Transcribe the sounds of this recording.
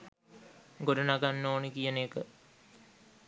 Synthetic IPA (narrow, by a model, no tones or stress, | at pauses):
ɡoɖɐnaɡanːoːnekijəneːkə